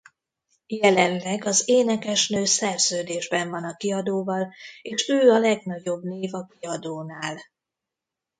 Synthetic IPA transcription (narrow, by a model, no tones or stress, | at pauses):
jɛlɛnlɛɡɒzeːnɛkɛʃnøːsɛrz̥øːd̪eːʒbɛɱvɒnɒkiɒd̪oːvɒleːʃøːɒlɛɡnɒɟo̞bneːvɒkiɒd̪oːnaːl